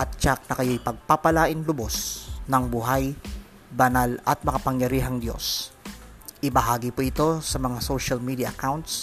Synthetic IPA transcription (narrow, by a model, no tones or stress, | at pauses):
ʔɐt̪̚t͡ʃak̚nɐkɐjojpɐɡ̚papɐlaːʔɪnlʊbosnɐŋbuɦaj | bɐnalʔɐ̰t̪̚mɐkɐpɐŋjɐɾiːɦɐŋd̪jo̞̰s | ʔɪbɐɦaːɡɪpoʔɪt̪o̞sɐmɐŋasoʃɐlmid̪iaʔɐkawnt̪̚s